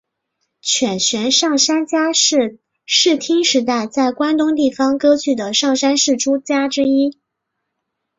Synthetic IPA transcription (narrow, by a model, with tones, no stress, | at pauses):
t͡ɕʰɥɛ˨˩nɕɥɛ˧˥nʂɑ˥˩ŋʂa˥nt͡ɕja˥˧ | ʂɻ̩˥˩t̪ʰi˥ŋʂɻ̩˧˥t̪a˥˧ɪt͡sa˥˩ɪkwa˥nt̪ʊ˥ŋt̪̬i˥˩fɑ˥ŋkɤ˥t͡ɕʰy˥˩d̪ə˩ʂɑ˥˩ŋʂa˥nʂɻ̩˥˩ʈ͡ʂu˥t͡ɕja˥ʈ͡ʂɻ̩˥i˥